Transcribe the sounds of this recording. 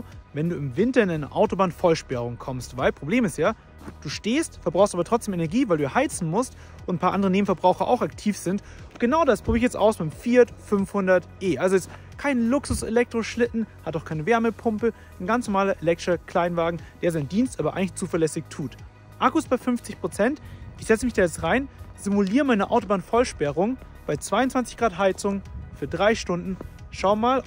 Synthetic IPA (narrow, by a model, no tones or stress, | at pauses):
vɛnduːɪmvɪntɐɪnʔaɪnɐ̰ʔaʊtobaːnfɔlʃpɛʁ̞ʊŋkʰɔmstv̥aɪlpʁ̥obleːmɪstjaː | d̥uːʃteːstfɛɐbʁaʊstʔaːbɐtʁ̥ɔt͡sd̥eːmʔenɛɐɡiːvaɪlduːjahaɪt͡sn̩mʊst | ʔʊntn̩pʰaːɐʔandəʁəneːm̩fɛɐbʁaʊxɐʔa̰ʊxaktʰiːfz̥ɪnt | ɡ̥ənaʊdasb̥ʁ̥yːbɪç̬jɛt͡stʔa̰ʊsbaɪfiːɐtfʏnfhʊndɐtʔeːʔalzoɪst | kʰaɪnəlʊksʊsḛlɛk̚tʁ̥oʃlɪtn̩hataʊxkʰaɪnəvɛɐməpʰʊmpə | nɡant͡snɔɐmaːlɐʔelɛk̚tɐkʰl̥aɪnvaːɡŋ̩d̥eːɐzaɪndiːnstʔaːbɐʔa̰ɪŋlɪçt͡suːfɐlɛsɪçtʰuːt | ʔakuɪstb̥aɪfʏnft͡sɪçpʁ̥ot͡sɛntʔɪçz̥ɛt͡səmɪçd̥aːjɛt͡stʁaɪnz̥ɪmuliːʁəmaɪnəʔa̰ʊtobaːnfɔlʃpɛʁʊŋ | b̥aɪt͡sv̥aɪʊntt͡sv̥ant͡sɪçɡ̥ʁaːtɦaɪt͡sʊŋfyːɐdʁaɪʃtʊndn̩ʃaʊmaːl